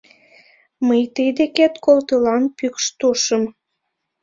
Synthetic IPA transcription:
məjt̪əjd̪eket̪kolt̪əlɑnpykʃt̪oʃəm

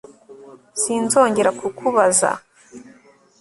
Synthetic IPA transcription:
siːnzo̞ːɲɟe̞ɾakʰukʰuβaza̰

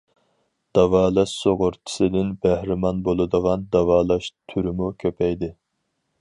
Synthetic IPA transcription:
d̪̥ɑwɑːlˠɑʃsoʁʊɾt̪ʰɪ̥sɪd̪ɪnbæhɾɪmɑnbolˠɨd̪əʁɑnd̪ɑwɑːlˠɑʃt̪ʰyɾɪmukʲʰøpʰɛjd̪ɪ

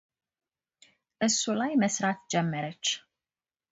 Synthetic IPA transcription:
ɛsulajmɛsɾat̪d͡ʒɛmːɛɾɛt͡ʃ

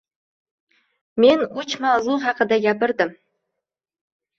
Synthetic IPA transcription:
menut͡ʃmɑzuχɑqəd̪aɡʲæpɨɾd̪ɨm

